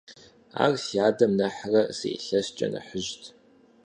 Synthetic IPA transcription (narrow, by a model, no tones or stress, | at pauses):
a̰ːrsaːdɐmnɐħrɐsḛːɬɐst͡ʃʼɐ̰nɐ̰ħəʒtʰ